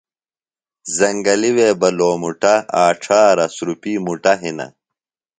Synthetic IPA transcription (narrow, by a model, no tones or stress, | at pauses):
zɐŋɡɐliweːbɐloːmuʈɐaːʈ͡ʂʰaːɾɐsɾupiːmuʈɐɦinɐ̰